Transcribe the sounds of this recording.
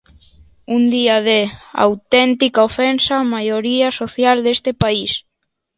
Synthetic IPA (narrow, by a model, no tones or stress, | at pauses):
und̪iaðea̰wt̪ɛnt̪ikaofɛnsamajoɾiasoθjald̪est̪epais